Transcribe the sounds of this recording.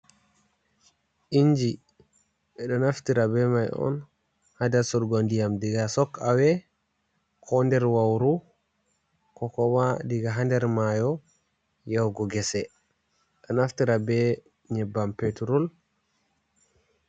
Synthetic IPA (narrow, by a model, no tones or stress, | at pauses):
ʔiɲd͡ʒi | ɓɛɗɔnaftiɾabɛmajɔ̰n | hadasɔɾɡɔndijamdiɡasɔkːawɛ | kʰɔndɛɾwawɾu | kɔkɔwadiɡaɦandɛɾmajɔ | jawɡɔɡɛsɛ | ɗɔnaftiɾabɛ | ɲɛbːampetuɾɔl